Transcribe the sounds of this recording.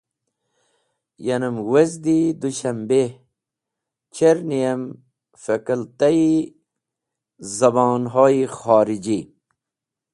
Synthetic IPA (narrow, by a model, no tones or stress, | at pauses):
jɐnɐmwezd̪id̪uɕɐmbe | t͡ɕʰeɾnijɐm | fɐkɐlt̪ɐi | zɐbɑːnɦoːixaːɾid͡ʑi